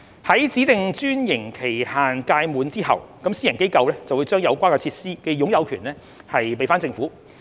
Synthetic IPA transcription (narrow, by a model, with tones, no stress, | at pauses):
hɐ˨˥jt͡siː˨˥t̪ɪ˨ŋt͡ʃyː˥njɪ˨˩ŋkʰe˨˩jhaː˨nkaː˧jmuː˨˧nt͡siː˥hɐ̰˨wkɐ˨˥msiː˥jɐ˨˩nke˥jkɐ˧wlɛː˥t͡sɐ˨wu˨˧˦jt͡ʃœː˥ŋjɐ˨˧wkʷaː˥nkɛ˧t͡sʰiː˧t̚siː˥kɛ˧jʊ˨˥ŋjɐ˨˧wkʰyː˨˩nlɛː˥ | hɐ˨jp̬e˨jfaː˥nt͡sɪ˧ŋfuː˨˥